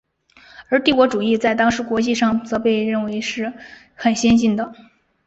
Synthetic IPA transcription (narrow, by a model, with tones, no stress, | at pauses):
ə˞˧˥t̪i˥˩kwɔ˧˥ʈ͡ʂu˨˩i˥˧t͡sa˥˩ɪt̪ɑ˥ŋʂɻ̩˧˥kwɔ˧˥t͡ɕi˥˧ʂɑ˥˩ŋt͡sɤ˧˥pe˥˧ɪɻə˥˩nwe˧˥ɪʂɻ̩˥˩ | xə˨˩nɕjɛ˥nɕ̬i˥˩nd̪ə˩